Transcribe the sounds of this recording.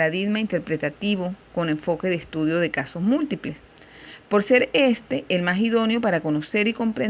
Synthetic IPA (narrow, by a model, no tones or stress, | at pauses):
ɾaðiɡmaint̪e̞ɾpɾe̞t̪at̪iβo̞ko̞neɱfo̞ke̞ðest̪uðjo̞ðe̞kaso̞smult̪iple̞s | po̞ɾse̞ɾe̞st̪e̞ʔelmasiðo̞njo̞paɾako̞no̞se̞ɾiko̞mpɾe